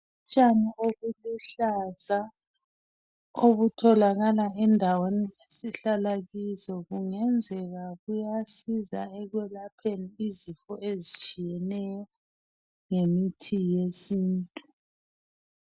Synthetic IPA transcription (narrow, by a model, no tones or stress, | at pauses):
ut͡ʃʼanioɣuliɬaza | oɣutʰɔlaɣalaɛndʱawenijesiɬalaɣisɔɣuŋɛnd͡zʱɛɣaɣujasiza̰ɛɣwɛlapʰeniːzifɔezit͡ʃʼijɛnɛjɔ | ŋemitʰijesiːntʼu